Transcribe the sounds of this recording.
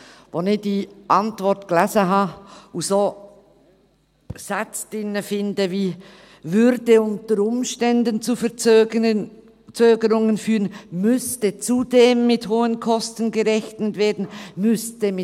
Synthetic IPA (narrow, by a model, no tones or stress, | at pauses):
vonɪd̥iːʔɑntvɔɾtɡ̥læzəɦɑːusoː | sat͡sd̥ɪnəfɪndəviː | vʏɾdəʊntəɾʊmʃtɛndənt͡sufə | t͡søːɡəɾʊŋənfyːʁənmʏstət͡sudeːmːɪthoːənkʰɔstən̩ɡəʁɛçtnətveːdn̩mʏstəmɪ